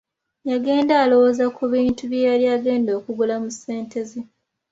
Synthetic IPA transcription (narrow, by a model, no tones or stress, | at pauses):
jaɡe̞ːndaːlo̞woːzakuβiːntuβjejaliaɡe̞ːndo̞ːkuɡulamuse̞ːntʰe̞ze